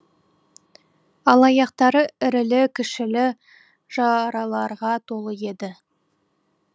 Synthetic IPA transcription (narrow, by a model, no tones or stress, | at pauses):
ɑlˠɑjɑqt̪ɑɾəɪɾɪlɪkʲʰɪʃɪlɪ | ʒ̥ɑɾɑlˠɑɾʁɑt̪ʰo̞lˠəje̞d̪ɪ